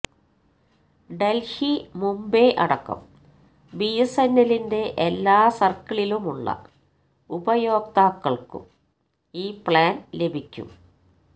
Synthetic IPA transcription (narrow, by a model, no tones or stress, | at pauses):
ɖelhimumbeʔɐ̰ɽɐkːɐ̰m | bijesɐnːɐlinde̞ʔelːaːsɐrkːɐɭilumuɭːɐ̰ | ubɐjo̞ːk̚t̪aːkːɐɭkṵm | iːpɭaːnle̞bʱikʲːṵm